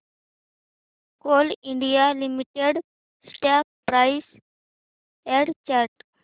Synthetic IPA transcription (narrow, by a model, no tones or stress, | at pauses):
koːlɪ̃ɳɖijalimiʈeɖ | sʈak̚pɾaɪs | ẽɖt͡ʃaɾʈ